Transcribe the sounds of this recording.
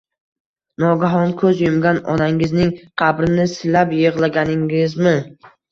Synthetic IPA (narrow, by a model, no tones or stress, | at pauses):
nɒɡaɦɒnkʰɵzjʊmɡʲanɒ̰naŋɪznɪŋqʰɑbɾɪnɪsɪlapjeʁlˠaɡʲanɪŋɪzmɪ